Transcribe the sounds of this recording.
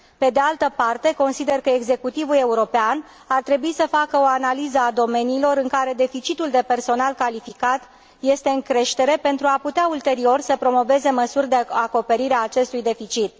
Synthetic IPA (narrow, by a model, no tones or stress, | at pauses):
pe̞d̪ealt̪əpart̪e̞ko̞nsid̪e̞rkəeɡze̞kut̪ivule̞uɾo̞pean | art̪ɾe̞buisəfakəo̞analizəad̪o̞me̞niːlo̞ɾɨŋkaɾe̞d̪e̞fit͡ʃit̪uld̪e̞pe̞rso̞nalkalifikat̪ | je̞st̪e̞ɨŋkɾe̞ʃt̪e̞ɾe̞pe̞nt̪ɾuaput̪eault̪e̞ɾio̞rsəpɾo̞mo̞ve̞ze̞məsurʲd̪e̞ako̞pe̞ɾiɾeaːt͡ʃe̞st̪ujd̪e̞fit͡ʃit̪